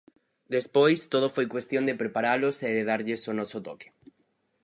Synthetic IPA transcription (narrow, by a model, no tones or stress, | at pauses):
d̪espojst̪oð̞ofojkwest̪jond̪epɾepaɾaloseðeð̞aɾʎesonɔsot̪oke̥